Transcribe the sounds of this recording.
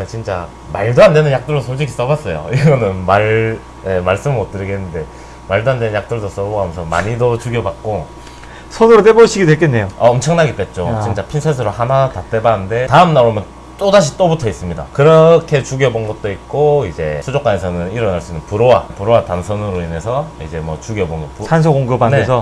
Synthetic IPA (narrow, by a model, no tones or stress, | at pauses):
et͡ɕint͡ɕ͈a̰ | maɭdoande̞nɯnjak̚t͈ɯɭdosʰoɭd͡ʑikʰi̥s͈ʌbas͈ʌjo̰iɡʌnɯnmaɭ | emaɭs͈ɯmɯʌt̚t͈ɯɾiɡenːɯnde̞ | maɭdoɦande̞nɯnjak̚t͈ɯɭdos͈ʌboɦamʌnsʰʌma̰ɲidot͡ɕuɡjʌbak̚k͈o | sʰʌnɯɾot͈eboɕʰiɡidweɭk͈enːe̞joaʌmt͡ɕʰʌŋnaɡet͈et̚t͡ɕ͈ot͡ɕint͡ɕ͈apʰinsʰʌs̬ʰɯɾohanatat͈e̞banɯnde̞taɯmnaomjʌn | t͈odaɕ̬ʰit͈obutʰʌis͈ɯmɲida̰kɯɾʌkʰe̞t͡ɕuɡiʌbonɡʌt̚t͈oit̚k͈oid͡ʑe̞sʰud͡ʑok͈aesʰʌnɯniɾʌnaɭs͈uinɯnpuɾowapuɾowatansʰʌnɯɾoine̞sʰʌid͡ʑe̞mwʌ̰t͡ɕuɡiʌbonʌput͡ɕʰans̬ʰʌkoŋɡɯbaneesʰʌ